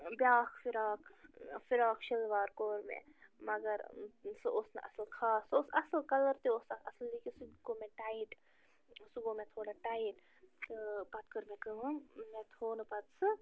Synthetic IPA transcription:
bʲjaːkʰfiɾaːkʰfiɾaːkʃilʋaːɾkoːɾmḛ̃mɐɡɐɾsɨʔosnɐ̰ʔɐ̰slkʰaːsosɐsəlkɐlɐɾt̪ioːsɐsllikisukomẽʈaːiʈ | suɡoːmẽt̪ʰoːɽaʈaːiʈ | pɐt̪kəɾmẽkəɦɐmẽt̪ʰoːnɨpɐd̪sɨ

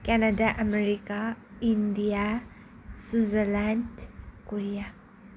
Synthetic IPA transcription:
kɛnadaʔɐmeɾikaindija | sizəlandkoɾija

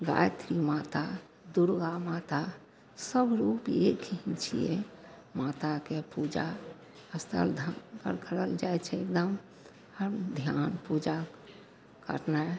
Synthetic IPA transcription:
ɡa̰jt̪ɾimat̪a | d̪uɾɡamat̪a | səbɾupekɦit͡ʃʰḭjḛ | mat̪akepud͡ʒa | əst̪ʰə̰ld̪ʱəkə̰ɾkʰəɾəld͡ʒajt͡ʃʰɛekd̪əm | əɾd̪ʱjanpud͡ʒa | kə̰ɾna

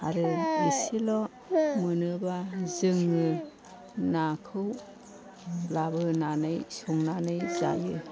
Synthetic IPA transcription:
aɾɯmisilɔ | mɯnɯbazɯŋɯ | nakʰɯw | labɯnanɯjsɔŋnanɯjza̰jɯ

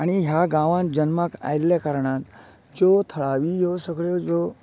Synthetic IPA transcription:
aɽ̃iɦjaɡãʋãnd͡ʑənmaka̰jljakaɾɳãnt̪ | d͡zot̪ʰəɭaʋijosəɡɭjod͡zo

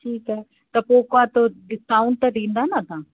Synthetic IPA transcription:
ʈʰiːkɦɛː | t̪ɐpoːkoat̪oɖɪsaːʊɳɖt̪ɐɖĩːnd̪aɦnat̪ãː

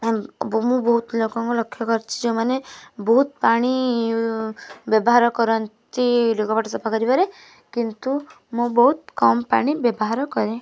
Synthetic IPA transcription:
bɔmũbɔɦut̪lokɔŋkɔlɔkʰːjɔkɔɾt͡ʃʰi̥d͡ʒẽmanebɔɦut̪paɽ̃i | bjɔbɔɦaɾɔkɔɾɔnt̪ilokɔbaʈɔsɔpʰakɔɾibaɾe | kint̪u | mũbɔɦut̪kɔmpa̰ɽ̃ibjɔbɔɦaɾɔkɔɾe

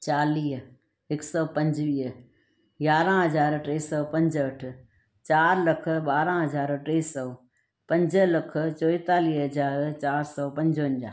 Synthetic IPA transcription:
t͡ʃaːliːɦ | ɪksɔːpɐ̃ɲd͡ʒʋiːɦ | jaːɾãɦɐzaːɾʈɾeːsɔːpɐ̃ɲd͡ʒəʈʰ | t͡ɕaːɾlɐkʰə̆ɓaːɾãɦɐzaːɾʈeːsɔː | pɐ̃ɲd͡ʒəlɐkʰət͡ʃoːɪt̪aːliːɦɦɐzaːɾt͡ɕaːɾsɔːpɐ̃ɲd͡ʒoənd͡ʒa

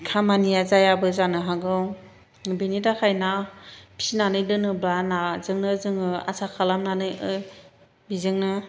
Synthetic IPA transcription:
kʰamanijazajabɯzanɯɦaɡɯw | benitakʰajnapʰi̥sinanɯjdɯnɯblanazɯŋnɯzɯŋɯa̰sakʰalamnanɯjɯ | bizɯŋnɯ

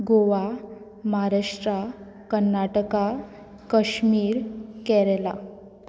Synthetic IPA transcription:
ɡoʋa | maɦaɾaʂʈɾa | kənːaʈəka | kəɕmiːɾkɛɾɛla̰

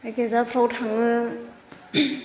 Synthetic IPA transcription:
akezapʰɾawtʰaŋɯ

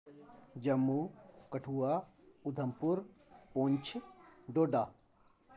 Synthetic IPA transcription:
d͡ʒɐmːukɐʈʰua | ud̪ʱɐmpuɾpõːɲt͡ʃʰɖoːɖaː

